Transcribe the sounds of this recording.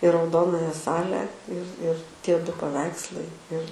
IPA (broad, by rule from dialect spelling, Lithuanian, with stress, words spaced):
ɪ rɐʊˈdoːnɐjɛ ˈsɑːlʲɛ ɪr ɪr ˈtʲiɛ ˈdʊ pɐˈʋʲɛɪkslˠɐɪ ɪr